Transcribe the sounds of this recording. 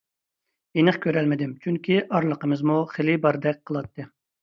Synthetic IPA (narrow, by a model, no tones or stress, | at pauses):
enɨχkʲʰøɾɛlmɪd̪ɪmt͡ʃʰyŋkʲiʔɑɾlˠəqəmɨzmuχelibɑɾd̪ɛk̚ʲqʰːəlˠɑt̪ʰːɨ